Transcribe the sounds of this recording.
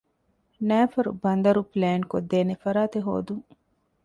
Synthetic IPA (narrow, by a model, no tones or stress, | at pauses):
næːfɐɾṵbɐnd̪ɐɾupleːŋkod̪ːeːnefɐɾaːt̪eɦo̰ːd̪uŋ